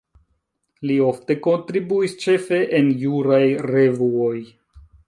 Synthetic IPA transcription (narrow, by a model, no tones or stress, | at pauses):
lio̞fte̞ko̞ntɾibuist͡ʃe̞fe̞ʔenjuɾajɾe̞vuoj